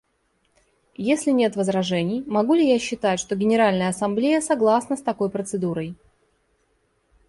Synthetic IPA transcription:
jesʲlʲɪnʲe̞t̪vəzɾɐʐɛnʲɪjmɐɡulʲɪjaɕːɪt̪atʲʂt̪o̞ɡʲɪnʲɪɾalʲnəjəɐsɐmblʲejəsɐɡlˠasnəst̪ɐko̞jpɾət̪sɨd̪uɾəj

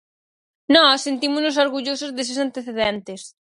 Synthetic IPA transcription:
nɔsent̪imʊznos̬oɾɣuʎosozðes̬esant̪eθeðɛnt̪ɪs

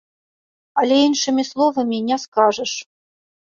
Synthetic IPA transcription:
alʲɛinʂɨmʲislˠɔvɐmʲinʲɛskaʐəʂ

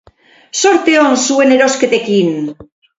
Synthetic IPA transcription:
soɾt̪eoŋsueneɾosket̪ekin

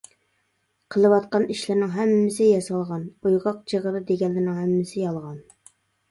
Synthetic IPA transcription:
qʰəlˠɨwɑt̪qɑniʃlɪɾnɪŋɦɛmːɪsɪjɑsɑlˠʁɑnujʁɑq̚d͡ʒʰeʁəd̪ɨd̪eɡʲɛlːɪnɪŋhɛmːɪsɪjɑlˠʁɑn

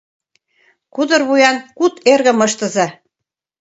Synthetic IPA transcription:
kud̪ɤ̆rβujɑnkut̪ʰerɣə̆mɤ̆ʃt̪ɤ̆zɑ

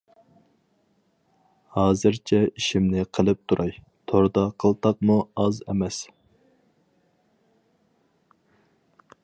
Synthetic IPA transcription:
hɑːzɨɾt͡ʃʰɛiʃimnɪqʰəlˠɨp̚t̪ʰuɾʔɑj | t̪ʰoɾd̪ɑqʰəlˠt̪ʰɑq̚muɑzɛ̰mɛs

